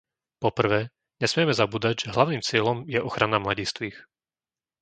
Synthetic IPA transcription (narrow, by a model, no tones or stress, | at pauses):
pɔpr̩ʋɛː | ɲɛsmɪɛmɛzabuːd̪aɟʒɛɦlaʊniːmt͡sɪɛlɔmjɛʔɔxɾanamlaɟiːst̪ʋiːx